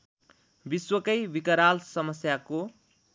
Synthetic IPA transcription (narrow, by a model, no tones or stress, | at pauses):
biswʌkʌjbikʌɾalsʌmʌsjako